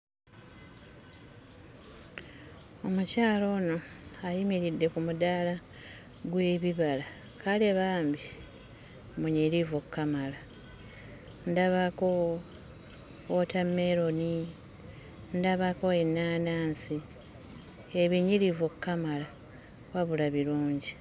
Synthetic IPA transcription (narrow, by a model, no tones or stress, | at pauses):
o̞mucaːlo̞ːno̞ajimiɾidːe̞kumudaːla | ɡwe̞ːβiβala | kʰaleβaːmbi | muɲiɾivokːamala | ndaβako | otamːe̞ɾo̞ni | ndaβako̞enːaːnaːnsi | eβiɲiɾivokːamala | waβulaβiɾuːɲɟi